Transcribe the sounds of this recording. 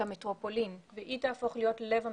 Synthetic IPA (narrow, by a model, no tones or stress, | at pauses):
ametʁopo̞linveʔitaːfo̞χlijo̞tle̞vha